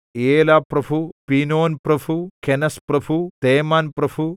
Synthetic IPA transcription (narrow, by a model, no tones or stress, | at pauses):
eːlaːpɾɐbʱupinoːnpɾɐbʱukenɐspɾɐbʱut̪eːmaːnpɾɐbʱu